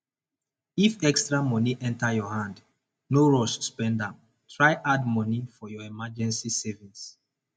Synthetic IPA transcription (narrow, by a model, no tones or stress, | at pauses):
ifɛkstɹamɔniʔɛ̃ntajɔhãnd | noɹɔʃspɛ̃ndãm | tʰɹajʔadmɔnifɔjɔɛmad͡ʒɛ̃nsisɛvĩs